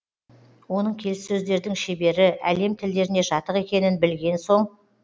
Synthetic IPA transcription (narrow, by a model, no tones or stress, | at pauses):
wo̞nəɴkʲʰe̞lɪssɵzd̪e̞ɾd̪ɪŋʃe̞be̞ɾɪʔæle̞mt̪ʰɪld̪e̞ɾɪne̞ʒɑt̪əqe̞kʲe̞nɪnbɪlɡʲe̞nso̞ɴ